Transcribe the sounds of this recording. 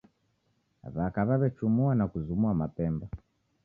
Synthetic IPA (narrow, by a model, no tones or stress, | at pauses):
βakaβaβɛt͡ʃumuanakuzumuamapɛmba